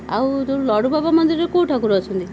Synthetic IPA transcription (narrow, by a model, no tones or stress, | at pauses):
a̰wt̪oɾulɔɽubʱabamɔnd̪iɾekuːʈʰakuɾɔt͡ʃʰɔnt̪i